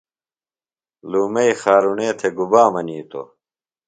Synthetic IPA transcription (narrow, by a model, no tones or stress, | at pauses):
luːmɐixaːɾuneːt̪ʰeɡubaːmɐniːt̪o̰